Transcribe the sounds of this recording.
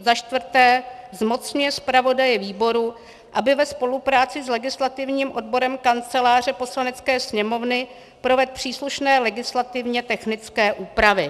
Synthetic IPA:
zaʃt̪vr̩t̪ɛːzmo̞t͡sɲujɛspɾavo̞dajɛviːbo̞ɾu | ʔabɪvɛspo̞lupɾaːt͡sɪslɛɡɪslat̪ɪvɲiːmʔo̞dbo̞ɾɛmkant͡sɛlaːr̝ɛpo̞slanɛt͡skɛːsɲɛmo̞vnɪ | pɾo̞vɛt̪̚pr̝̥iːsluʃnɛːlɛɡɪslat̪ɪvɲɛt̪ɛxnɪt͡skɛːʔuːpɾavɪ

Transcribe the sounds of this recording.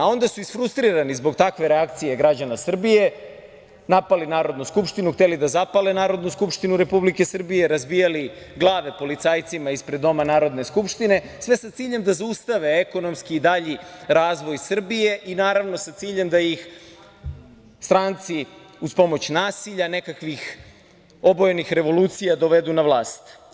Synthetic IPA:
ao̞nd̪asuisfɾust̪ɾiɾanizbo̞ɡt̪akʋe̞ɾe̞akt̪sije̞ɡɾad͡ʑanasr̩bije̞ | napalinaːɾo̞d̪nuskupʃt̪inuxt̪elid̪azapalenaːɾo̞d̪nuskupʃt̪inuɾe̞publike̞sr̩bije̞ɾazbijali | ɡlˠaːʋe̞po̞lit̪saːjt̪simaispɾed̪ːo̞manaːɾo̞d̪ne̞skupʂt̪ine̞ | sʋe̞sat̪siːʎe̞md̪azaust̪aʋe̞eko̞no̞mskiːd̪aʎiɾaːzʋo̞jsr̩bije̞ʔinaːɾaʋno̞sat̪siːʎe̞md̪ajix | st̪ɾant̪si | uspo̞mo̞t͡ɕnaːsiʎane̞kakʋix | o̞bojenixɾe̞ʋo̞luːt̪sijad̪o̞ʋe̞d̪unaʋlˠaːst̪

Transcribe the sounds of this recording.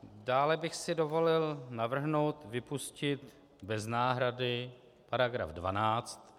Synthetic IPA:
daːlɛbɪxsɪdo̞vo̞lɪlnavr̩ɦno̞wt̪vɪpuscɪt̪ | bɛznaːɦɾadɪ | paɾaɡɾa̰fdva̰naːt͡st̪

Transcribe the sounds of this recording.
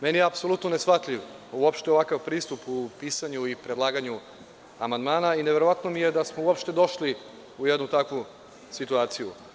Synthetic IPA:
menijeapso̞lut̪none̞sxfat̪ʎʲiʋuopʃt̪eoʋakaʋpɾiːst̪upupiːsaɲuipɾe̞d̪lˠaːɡaɲu | amand̪maːnaineʋe̞ɾo̞ʋat̪no̞mijed̪asmouopʃt̪e̞d̪o̞ʃli | ujed̪nut̪akʋu | sit̪uaːt̪sijṵ

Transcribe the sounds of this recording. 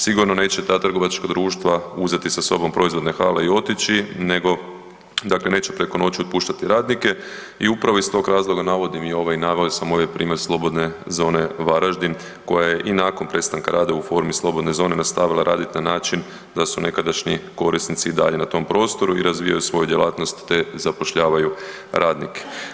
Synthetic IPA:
siɡuɾno̞ne̞ːt͡ɕe̞t̪aːt̪r̩ɡo̞ʋat͡ʃkad̪ɾuːʃt̪ʋauzet̪isaso̞bo̞mpɾo̞izʋo̞d̪nexaːleio̞t̪it͡ɕine̞ɡo̞ | d̪akle̞ne̞ːt͡ɕepɾe̞ko̞no̞t͡ɕiot̪̚puːʃt̪at̪iɾaːd̪nike̞ | iupɾaʋo̞ist̪o̞ɡɾaːzlˠo̞ɡanaʋo̞d̪imio̞ʋainaːʋeosamojepɾiːmje̞ɾslˠo̞bo̞d̪ne̞zo̞ːne̞ʋaɾaʒd̪in | ko̞jaje̞ʔinakonpɾe̞t̪st̪aŋkaɾʔaːd̪aufo̞ɾmislˠo̞bo̞d̪ne̞zo̞ːne̞nast̪aʋilˠaɾʔa̰ːd̪it̪nanaːt͡ʃin | d̪asune̞kad̪aʃɲiko̞ɾist̪nit̪siːd̪a̰ʎe̞nat̪o̞mpɾo̞ːst̪o̞ɾuiɾazʋijajusʋo̞jud̪jelˠaːt̪no̞st̪ːe̞zapo̞ʃʎaːʋaju | ɾʔaːd̪nike̥

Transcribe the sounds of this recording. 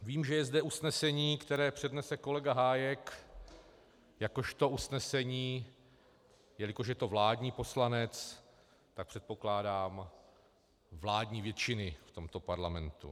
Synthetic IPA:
viːmʒɛjɛzdɛusnɛsɛɲiːkt̪ɛɾɛːpr̝̥ɛdnɛsɛko̞lɛɡaɦaːjɛk | jako̞ʃt̪o̞usnɛsɛɲiː | jɛlɪkoʃ̬jɛt̪o̞vlaːdɲiːpo̞slanɛt͡s | t̪ak̚pr̥ɛt̪̚po̞klaːdaːm | vlaːdɲiːvjɛt͡ʃɪnɪft̪o̞mt̪o̞paɾlamɛnt̪ṵ

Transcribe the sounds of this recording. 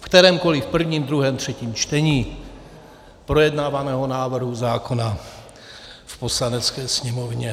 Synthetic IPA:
fkt̪ɛɾɛːmko̞lifpr̩vɲiːmd̪ɾuɦɛːmt̪r̝̥ɛciːmt͡ʃt̪ɛɲiː | pɾo̞jɛdnaːvanɛːɦo̞naːvr̩ɦuzaːko̞na | fpo̞slanɛt͡skɛːsɲɛmovɲɛ

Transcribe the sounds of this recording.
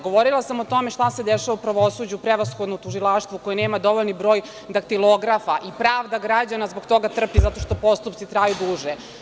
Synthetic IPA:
ɡo̞ʋoɾilˠasamot̪o̞me̞ʃt̪ase̞d̪eʃaʋaupɾaʋosud͡ʑupɾeʋasxod̪not̪uʒilˠaʃt̪ʋukojeneːmad̪o̞ʋo̞ʎnibɾo̞ːj | d̪ak̚t̪iloɡɾafaʔipɾaːʋd̪aɡɾad͡ʑanazboɡt̪o̞ɡat̪r̩pizat̪o̞ʃt̪o̞po̞st̪upt̪it̪ɾajud̪uʒe

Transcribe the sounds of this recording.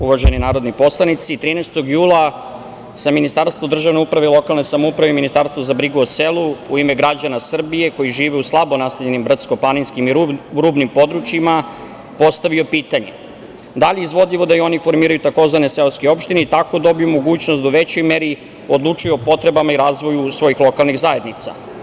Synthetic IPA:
uʋaʒeninaːɾo̞d̪nipo̞slˠanit̪sit̪ɾiːnɛjst̪o̞ɡjuːlˠa | seminist̪aɾst̪ʋod̪r̩ʒaʋne̞upɾaʋeilˠo̞kalˠnesamoupɾaʋeiminist̪aɾst̪ʋozabɾiɡuoselˠuuime̞ɡɾad͡ʑanasr̩bije̞ko̞jiʒiːʋeuslˠabo̞nast̪avʎe̞nimbr̩t̪sko̞plˠaninskimiɾuːbnimpo̞d̪ɾut͡ʃima | po̞st̪aʋio̞piːt̪aɲḛ | d̪aʎeizʋo̞d̪ʎiʋo̞d̪ajio̞nifo̞ɾmiːɾajut̪ako̞zʋane̞seoskeo̞pʃt̪ineit̪ako̞d̪o̞bijumo̞ɡuːt͡ɕnost̪d̪auʋet͡ɕo̞jmeɾi | od̪lˠut͡ʂujeopo̞t̪ɾe̞bamaiɾaːzʋo̞jusʋo̞jixlˠo̞kalˠniɣzaje̞d̪nit̪sa̰

